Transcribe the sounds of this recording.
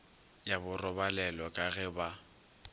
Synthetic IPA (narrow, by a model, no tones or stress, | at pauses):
jabʊrɔbalɛlɔkʼaɣɛba